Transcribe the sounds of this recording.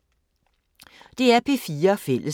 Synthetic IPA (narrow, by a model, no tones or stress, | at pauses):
d̥e̝æɐpʰe̝fiːɐfel̰ʔə